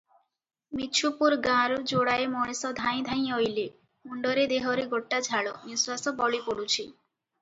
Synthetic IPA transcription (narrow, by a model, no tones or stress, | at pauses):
mit͡ʃʰupuɾɡãɾud͡ʒoɽaemɔɽ̃esɔd̪ʱaj̃d̪ʱaj̃ojle | muɳɖɔɾed̪eɦɔɾeɡoʈːad͡ʒʱaɭɔniswasɔbɔɭipoɽut͡ʃʰi